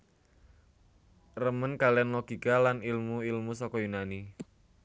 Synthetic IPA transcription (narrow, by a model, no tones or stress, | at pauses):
rəmənkalɛnlɔɡ̥ikalanilmuilmusɔkɔjunani